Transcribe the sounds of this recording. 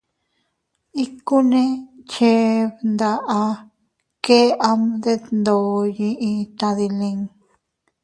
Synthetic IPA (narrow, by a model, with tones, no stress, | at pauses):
i˦ku˦nẽ˦t͡ʃe˧˦βnd̪a˧ʔa˧ | ke˦a˧md̪e˦nd̪o˨jĩ˧ʔĩ˧t̪ã˧ði˧lĩ˧ŋ